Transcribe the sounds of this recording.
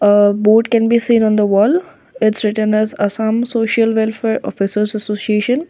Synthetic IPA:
əboːʈ̚kɛ̃nbiːsĩːnɔ̃ːnd̪əʋɔːl | ɪʈsɾɪʈə̃nɛzɐsãːmsoːʃəlʋɛlfeːɾʔɔːfɪsəɾzɐsoːsieːʃə̃n

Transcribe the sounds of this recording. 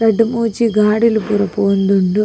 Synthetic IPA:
ɾɐɖumuːt͡ɕːiɡaːɽilupurɐpːoːnd̪uɳɖɨ

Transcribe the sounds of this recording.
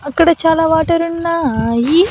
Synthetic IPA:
ɐkːɐɽɐt͡ʃaːlaːʋaːʈɐɾunːaji

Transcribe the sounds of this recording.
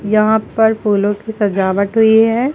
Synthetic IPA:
jɐɦãpɐɾpuːlõkisɐd͡ʒaːʋəʈɦʊiɦɛ̃

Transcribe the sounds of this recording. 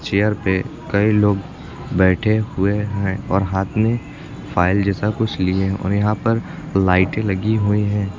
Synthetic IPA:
t͡ʃeːəɾpekɐiloːɡ | bɛːʈʰeɦʊeɦɛ̃ɔːɾɦaːt̪ʰmẽ | fʰaːɪld͡ʒɛːsakʊt͡ʃʰlieɦɛ̃ʔɔ̰ːɾjɐɦãpɐɾ | laːɪʈelɐɡiɦuiɦɛ̃ː

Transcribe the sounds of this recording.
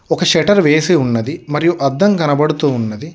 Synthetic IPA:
ɔkɐʃɛʈɐɾʋeːsiunːɐd̪imɐɾijuʔɐd̪ːɐŋkɐnɐbɐɽut̪uːunːɐd̪i

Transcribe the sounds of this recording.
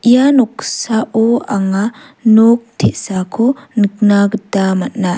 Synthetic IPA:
ʔijanɔk̚saʔɔaŋa | nok̚tʰeʔsakʰonɯk̚naɡɯtamat̚na

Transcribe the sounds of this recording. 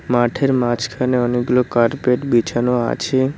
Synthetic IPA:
maʈʰeɾmat͡ʃkʰaneɔniɡlokaɾpeʈbit͡ʃanoa̰t͡ʃʰe

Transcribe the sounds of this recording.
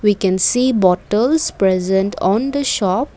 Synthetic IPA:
ʋiːkɛ̃nsiːbɔʈəlzpɾɛzə̃nʈʰɔ̃nd̪əʃɔːp̚

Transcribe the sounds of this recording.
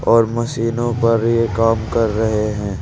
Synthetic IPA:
ɔːɾmɐsiːnõpɐɾjekaːmkɐɾːɐɦeɦɛ̃ː

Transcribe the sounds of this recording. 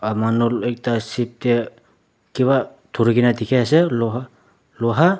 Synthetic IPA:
amanolek̚tasip̚te | kiβa | tʰuɾiɡinatikʰeaseloɦa | loɦa

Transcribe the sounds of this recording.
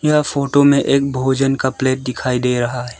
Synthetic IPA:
jafoːʈomẽʔeːk̚bʱoːd͡ʒənkapleːʈ̚d̪ɪkʰaːid̪eːɾɐɦaɦɛː

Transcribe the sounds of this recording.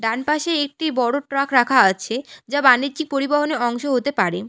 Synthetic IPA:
ɖanpaʃeek̚ʈibɔɽoʈɾakɾakʰaat͡ɕʰed͡ʑabanidd͡ʑik̚poɾibaɦoneɾɔŋʃoɦot̪epaɾe

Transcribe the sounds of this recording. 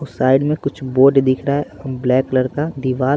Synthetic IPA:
ʊsaːɪɖmẽkʊt͡ʃʰboːɖd̪ɪkʰɾaɛblɛːkləɾkad̪ɪʋaː

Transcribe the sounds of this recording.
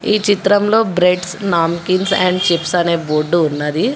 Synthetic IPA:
iːt͡ʃit̪ɾɐmlo̞ːbɾeʈsnaːmkinsɛɳɖt͡ʃipsɐneːboɖːuːnːɐd̪i

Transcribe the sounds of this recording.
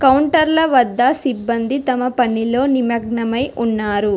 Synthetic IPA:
kɐwuɳʈɐɾlɐʋɐd̪ːɐsibːɐnd̪it̪ɐmɐpɐnilo̞ːnimɐɡ̚ɳɐmɐjʔunːaːɾu

